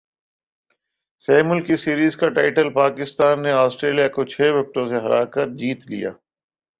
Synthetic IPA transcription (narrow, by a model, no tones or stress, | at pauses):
sɛːmʊlkisiːɾiːzkaʈaːɪʈəlpaːkɪst̪aːnːeaːsʈɾeːlijakot͡ʃʰeːʋɪk̚ʈõseɦɐɾa̰ːkɐɾd͡ʒiːt̪lḭja̰ː